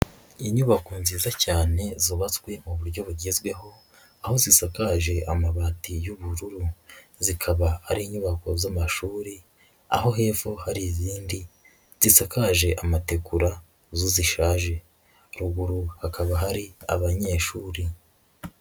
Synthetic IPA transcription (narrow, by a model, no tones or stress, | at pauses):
iɲuβako̞nziːzacaːne̞ziβat͡skwe̞muβuɾɟo̞βuɾɟizɡwe̞ɦo̞ | aho̞zisakaʒe̞ʔamaβatijuβuɾuɾu | zikʰaβahaɾiːɲuβako̞zamaʃuːɾi | a̰ɦo̞ɦe̞ːfuhaɾiziːndi | z̥isakaʒe̞ʔamate̞kuɾa | zoziʃaːʒe̞ | ɾuɡuɾuhakaβaɦaɾia̰βaɲe̞ʃuːɾi